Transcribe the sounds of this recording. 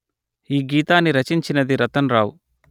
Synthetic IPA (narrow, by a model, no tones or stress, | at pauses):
iːɡiːt̪aːnːiɾɐt͡ʃiɲt͡ʃinɐd̪iɾɐt̪ɐnɾaːwu